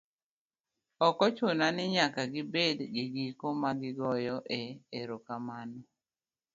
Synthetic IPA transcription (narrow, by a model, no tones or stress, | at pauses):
ɔkɔt͡ʃonanɪɲakaɡɪbedɡiɡikomaɡɪɡɔjɔʔeeɾokamanɔ